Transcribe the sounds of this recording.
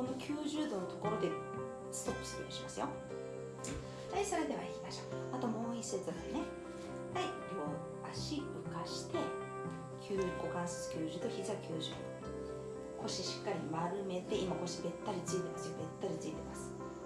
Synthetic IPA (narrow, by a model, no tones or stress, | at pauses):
ko̞no̞kʲʰɨːʑɨːd̪o̞no̞t̪o̞ko̞ɾo̞d̪e̞ | sɨ̥t̪o̞pːɯ̟̥sɨ̥d̪okːoɕimasɨjo̞ | haiso̞ɾe̞d̪e̞βa̰ikʲimaɕoat̪o̞mo̞ːiset͡sɨd̪ane | haiɾʲo̞ː | aɕiɯ̟kaɕi̥t̪e̞ | kʲʰɨːɡo̞kãɰ̃sot͡sɨ̥kʲɨːʑɨːd̪oçizɨakʲʰɨːʑɨ̰ːd̪o | kʰo̞ɕiɕi̥kːaɾʲimaɾɯ̟me̞t̪e̞ʔimako̞ɕibe̞t̪ːaɾʲit͡sɨit̪e̞masɨjobe̞t̪ːaɾʲit͡sɨit̪e̞masɨ̥